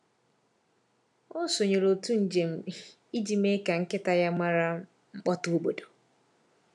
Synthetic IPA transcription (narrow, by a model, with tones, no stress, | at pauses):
ɔ˦so˨ɲe˨ɾo˨tu˦n̩˨d͡ʒe˨m̩˨ | i˦d͡ʒi˨me˦ka˨ŋ̩˦kɪ˦ta˨ja˦ma˦ɾa˦ | ŋ͡m̩˦k͡pɔ˦tu˦u˦ɡ͡bo˨do˨